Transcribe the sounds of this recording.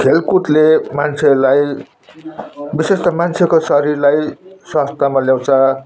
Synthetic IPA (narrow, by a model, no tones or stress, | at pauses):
kʰelkuʈlemant͡sʰelaj | bisest̪ʌmant͡sʰekosʌɾirlajswast̪ʰamaljaw̃t͡sʰʌ